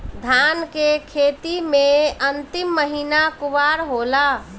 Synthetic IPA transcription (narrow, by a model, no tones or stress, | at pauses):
d̪ʱankekʰet̪imeənt̪ɪmːəɦinakuʋaɾɦola